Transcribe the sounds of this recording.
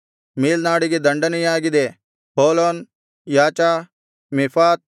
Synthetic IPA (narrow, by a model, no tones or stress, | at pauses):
miːlnaːɽiɡid̪ɐɳɖənijaːɡid̪eː | ɦoːloːn | jaːt͡ʃaː | mɪfʰaːt̪̚